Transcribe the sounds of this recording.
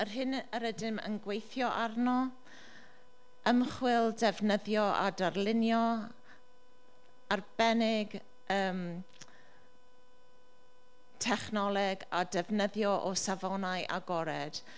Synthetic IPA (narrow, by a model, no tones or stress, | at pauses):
ərɦɪnəɾədɪmə̰nɡwejθjɔʔarnɔ | əmχwɪlˠdɛvnəðjɔʔa̰darlˠɪnjɔ | arb̥ɛnɪɡ | əːm | tʰɛχnɔlˠɛɡadɛvnəðjɔʔɔsavɔnajʔa̰ɡɔɾɛd̥